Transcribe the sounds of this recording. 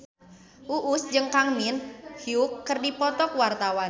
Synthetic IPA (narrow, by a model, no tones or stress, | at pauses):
ʔuʔusd͡ʒɨŋkaŋminhiukːərdipɔt̪ɔkwart̪awan